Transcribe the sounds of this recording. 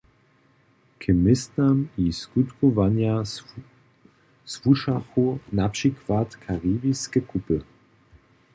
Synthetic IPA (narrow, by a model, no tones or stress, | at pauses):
kʰəmɪst̪amiskut̪kovanja | zvuʃaxunaprikvat̪kʰaʁiːbiskəkupə